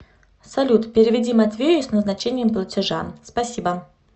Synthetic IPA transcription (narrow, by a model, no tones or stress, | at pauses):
sɐlʲut̪pʲɪɾʲɪvʲɪdʲimɐt̪vʲejʊsnəznɐt͡ɕenʲɪjəmplˠətʲɪʐa̰spɐsʲibə